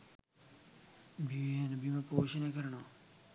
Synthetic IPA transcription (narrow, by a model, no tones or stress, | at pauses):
bʱienbʱiːmẽpoːʃənẽːkəɾɳaː